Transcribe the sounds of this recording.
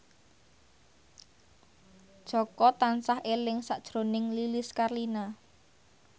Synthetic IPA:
d̥ʒ̥ɔkɔt̪ansahʔelɪŋsaʔd̥ʒ̥ɾonɪŋlilɪskarlina

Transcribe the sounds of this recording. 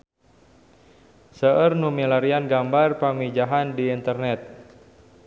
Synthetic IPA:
səʔərnumilaɾianɡambarpamid͡ʒaɦandiːnt̪ərnɛt̪̚

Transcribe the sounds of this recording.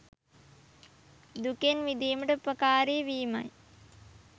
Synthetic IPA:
d̪ukenʋid̪iːməʈəupəkaːɾeːʋiːma̰j

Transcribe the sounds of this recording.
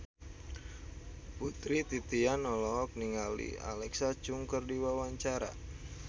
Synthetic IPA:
put̪ɾit̪it̪ianɔlɔɦɔk̚niŋalḭa̰lɛksat͡ʃuŋkərdiwawaɲt͡ʃaɾa̰

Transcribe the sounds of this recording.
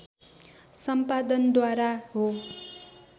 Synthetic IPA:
sʌmpad̪ʌnd̪waɾaɦo

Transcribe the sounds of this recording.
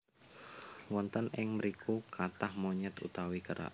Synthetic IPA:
wɔnt̪ənɪŋməɾikʰukʰat̪ahmoɲɛt̪ṵt̪awikəɾʔa̰ʔ

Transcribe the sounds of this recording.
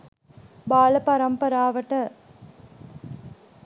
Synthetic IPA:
baːlɐpɐɾɐmpɐɾaːʋɐʈːɐ

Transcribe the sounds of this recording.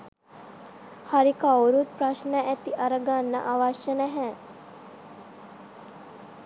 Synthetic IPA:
haɾikawɾut̪̚pɾaʃnəʔæt̪iʔaɾəɡanːə̰ʔaʋaʃjənɛɦɛ

